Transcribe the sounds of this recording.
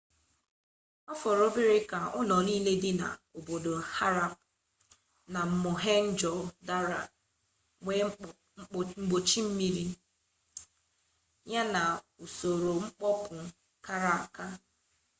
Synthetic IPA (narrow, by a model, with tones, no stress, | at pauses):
ɔ˦fɔ˨ɾo˦bɪ˦ɾɪ˦ka˨ʊ˦nɔ˨niː˦le˦dɪ˦na̰˨o˨bo˨do˨ha˦ɾa˦p̚ | na˨m̩˨mʊ˨ɦe˦n̩˦d͡ʒɔ˨da˦ɾa̰˨ | ŋʷe˦ | ŋ͡m̩˦ɡ͡bo˨t͡ʃi˦m̩˦mi˦ɾi˦ | ɲa˦na˨ | u˨so˨ɾo˨ŋ͡m̩˦k͡pɔ˦pʊ˨ | ka˦ɾa˨a˨ka˦